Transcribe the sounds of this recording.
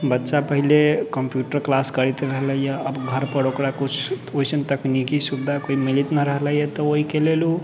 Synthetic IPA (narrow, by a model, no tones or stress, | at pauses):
bətːʃapəɦilekəmpjuʈəɾklaskəɾit̪ɾəɦləjjəəbɡʱəɾpəɾokɽakut͡ʃʰoisənt̪əknikisubd̪ʱakoimilit̪nəɾəɦələjət̪ɔoɦikelelu